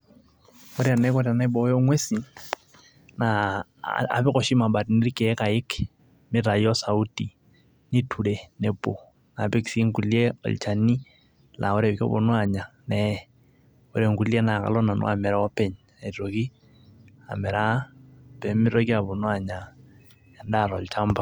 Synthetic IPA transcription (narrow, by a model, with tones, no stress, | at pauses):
kɔ˦ɾa˨nɛ˦kɔ˦ɾja˨na˦bɔ˨˦jɔ˦ŋwe˦si˨ | na˨ | a̰˨pɪ˦kɔ˨ʃi˦ma˨ba˨tni˦ɾi˦kɛ˨˦ka˨ɪ˦k | mɪ˦ɾa˨jɔ˦sa˨u˦ti˨ | ni˦tʰu˨ɾe˨ne˨bo˨ | na˨pɪ˦ksi˦ŋku˨lje˦ɔ̰˨l̰t͡ʃa˨ni˦ | lʔa̰˨ʊ˦ɾe˨kɔ̰˦bo̰˨nwa˦˨ɲa˨nɛ | ʊ˦ɾe˨ŋku˦lje˦na˨ka̰lɔ˦na˨nʊ̰˦a˨mɛ˨ɾa˦ɔ˦pɛ˨ɲ | a˨i˨ɾo˨ki˦ | a̰˨mɛ˨ɾa˦pɛ˨mɪ˦ɾo˦ki˦a˨bo˨nwa˨ɲa˨ | ja˨nda˦˨ɾɔ˨lt͡ʃa˦mba˨